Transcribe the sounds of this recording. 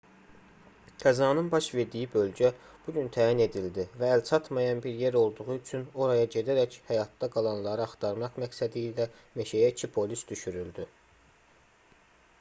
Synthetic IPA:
ɡ̥æzɑnɯnbɑʃve̞ɾd̪ijibø̞lɟæ | b̥uɟynt̪ʰæːjine̞d̪ild̪ivæælt͡ʃʰɑt̪mɑjɑnbiɾjeɾo̞lˠd̪uʁuyt͡ʃʰyno̞ɾɑjɑɟe̞d̪æɾæchæjɑt̪̚d̪ɑɡɑlˠɑnlˠɑɾɯɑχt̪ʰɑɾmɑχmæksæd̪ilæ | me̞ʃejæcʰipʰo̞lisd̪yʃyɾyld̪y

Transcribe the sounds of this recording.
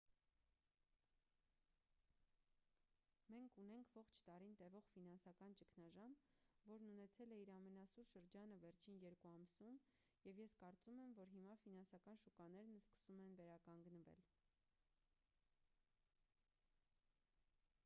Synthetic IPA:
mɛŋkʰunɛŋkʰvɔχt͡ʃʰt̪ɑɾint̪ɛvɔʁfinɑnsɑkɑnt͡ʃəkʰnɑʒɑmvɔɾnunɛt͡sʰɛlɛiɾɑmɛnɑsuɾʃəɾd͡ʒɑnəvɛɾt͡ʃʰinjɛɾkuɑmsum | jɛvjɛskɑɾt͡sumɛmvɔɾɦimɑfinɑnsɑkɑnʃukɑnɛɾnskə̥sumɛnvɛɾɑkɑŋɡnvɛ̰l

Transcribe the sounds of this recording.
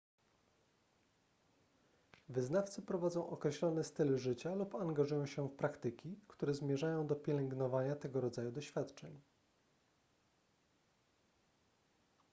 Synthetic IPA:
vɘznaft̪sɘpɾɔvad̪zɔ̃w̃ʔɔkɾɛɕlɔnɛst̪ɘlʐɘt͡ɕalupaŋɡaʐujɔ̃w̃ɕɛfpɾakt̪ɘkʲikt̪uɾɛzmʲjɛʐajɔ̃w̃d̪ɔpʲjɛlɛŋɡnɔvaɲat̪ɛɡɔɾɔd̪zajud̪ɔɕfʲjat̪t͡ʂɛɲ

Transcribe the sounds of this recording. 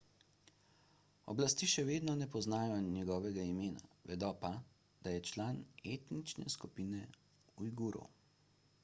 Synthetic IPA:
ɔ̰blast̪iʃɛʋeːd̪nɔnɛpɔznaːjɔnjɛɡɔːʋɛɡaimeːna̰ʋɛd̪ɔpa | d̪̥ajɛt͡ʃlaːneːt̪nit͡ʃnɛ̰skupiːnɛ | ujɡuɾɔ̰w

